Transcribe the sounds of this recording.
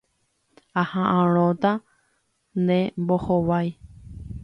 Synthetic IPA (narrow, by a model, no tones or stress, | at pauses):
ahãʔãɾ̃õt̪a | nd̪ẽmbohowaj